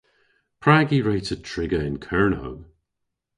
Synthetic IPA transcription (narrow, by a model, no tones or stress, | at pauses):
pʰɹ̥aɡiɹeɪtətʰɹ̥ɪɡəɪ̃nkʰɜɹno̰ʊ